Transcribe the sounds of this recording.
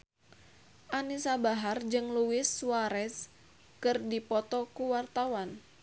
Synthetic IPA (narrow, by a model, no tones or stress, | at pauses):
ʔanisabaɦard͡ʒɨŋluwɪsuwaɾɛs | kɨrdipɔt̪ɔkuwart̪awan